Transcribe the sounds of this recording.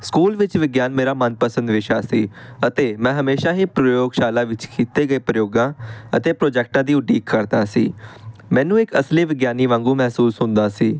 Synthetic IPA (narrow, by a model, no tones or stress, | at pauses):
skuːlʋɪt͡ʃʋɪɡjaːnmeːɾaːmənpəsənd̪ʋɪʃaːsiːət̪eːmɛ̃ːɦəmeːʃaːɦiːpɾəjoːɡʃaːlãːʋɪt͡ʃkʰiːt̪eːɡəeːpɾəjoːɡãːət̪eːpɾoːd͡ʒɛːk̚ʈãːd̪iːʊɖiːkːəɾd̪aːsḭːmɛ̃ːnũːɪkəsliːʋɪɡjaːniːʋãːŋɡũːmɛːsuːsɦʊ̃nd̪aːsiː